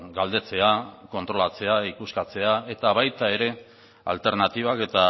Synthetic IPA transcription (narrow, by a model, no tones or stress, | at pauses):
ɡald̪e̞t͡se̞ako̞nt̪ɾo̞lat͡se̞aikuskat͡se̞ae̞t̪aβajt̪ae̞ɾe̞ | a̰lt̪e̞ɾnat̪iβ̞ake̞t̪a